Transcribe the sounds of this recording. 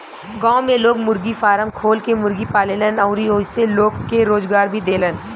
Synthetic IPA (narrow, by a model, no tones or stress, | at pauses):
ɡãːmẽloːɡmʊɾɡifaːɾəmkʰoːlkemʊɾɡipaːlelənəʊɾioːseloːkkːeɾoːzɡaːɾbʱid̪eːlən